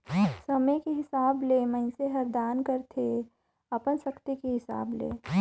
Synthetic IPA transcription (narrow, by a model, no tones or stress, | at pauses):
sɐməkeɦɪsaːbleːmɐ̃ɪ̃seɦɐɾd̪aːnkɐɾt̪ʰe | ɐpənʃɐkt̪ikeɦɪsa̰ːblḛː